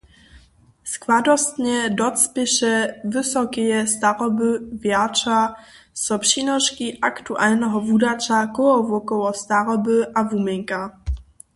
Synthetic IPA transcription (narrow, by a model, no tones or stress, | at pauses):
skvad̪ɔst̪ɲɛdɔt͡spʲjɛʃɛvɪsɔkɛjɛst̪aɾɔbɘvjat͡ʂa | sɔpʂinɔʃkiʔakt̪uʔalnɛɦɔvudat͡ʃakɔɔvɔkɔwɔst̪aɾɔbɨʔavumɛŋka